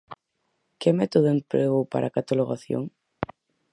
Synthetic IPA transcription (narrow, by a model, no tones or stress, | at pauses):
kemɛt̪oðoempɾeɣowpa̰ɾʔakat̪aloɣaθjo̰ŋ